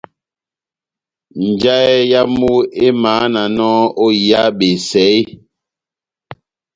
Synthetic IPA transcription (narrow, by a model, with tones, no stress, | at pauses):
n˨d͡ʒa˦ɛ˦ja˦mu˦e˦maː˨˦na˨nɔ˦o˦ja˦ɓe˨sɛ˨˦j